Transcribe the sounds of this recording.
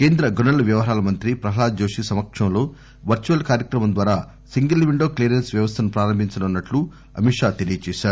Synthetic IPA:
ke̞ːnd̪ɾɐɡunɐlɐʋjɐʋɐɦaːlɐmɐnt̪ɾipɾɐɦɐlaːd͡ʒo̞ːʂisɐmɐkʂɐmlo̞ː | ʋɐɾt͡ʃuɐlkaːɾjɐkɾɐmɐmnd̪ʋaːɾaː | siŋɡɐlʋiɳɖo̞ːklejːɾensʋjɐʋɐst̪ʰɐnupɾaːɾɐmbʱiɲt͡ʃɐnunːɐʈlu | ɐ̰miʂaːt̪elijɐt͡ʃɛːʃaːɾuu

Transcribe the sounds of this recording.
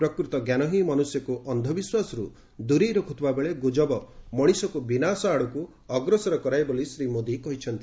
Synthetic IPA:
pɾɔkɾut̪ɔɡjanɔɦimanusjɔkuʔɔnd̪ʱɔbiswasɔɾu | d̪uɾiɾɔkʰut̪ʰubabeɭeɡod͡ʒɔbɔmɔɽ̃isɔkubinasɔaɽuku | ɔɡɾɔsɔɾɔkɔɾajbolisɾimod̪ikɔɦit͡ʃʰɔnt̪i̥

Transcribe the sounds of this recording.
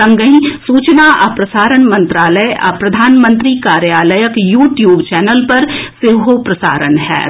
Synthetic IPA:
ɐ̃ŋɡəɦĩsuːt͡ʃnaʔapɾɐsaːɾənmɐ̃nt̪ɾaːləjʔa̰pɾɐd̪ʱaːnmə̃nt̪ɾikaːɾjaːləjəkjuːʈjuːbt͡ʃɛːnəlpɐɾsɪɦopɾɐsa̰ːɾənɦɛ̰ː

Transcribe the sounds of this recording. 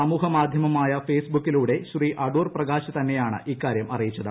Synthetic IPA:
ɐmuːɦɐmaːd̪ʱjɐmɐmaːjɐfe̞ːsbukːiluːɽe̞ɕriʔɐɽuːrprɐɣaːɕɐt̪ɐnːe̞jaːɳɨ̰ʔikːaːɾjɐmʔɐrijit͡ɕːɐðɨ

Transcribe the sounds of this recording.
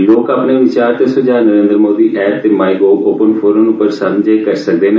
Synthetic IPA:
loːkapneːʋɪt͡ʃaːɾt̪esʊd͡ʒaːnəɾẽːnd̪ɾmoːd̪iːʔɛːp̚t̪eːmaːiɡoːoːpənfʰoːɾənʊpəɾsəmd͡ʒaːkəɾsək̚d̪eːne

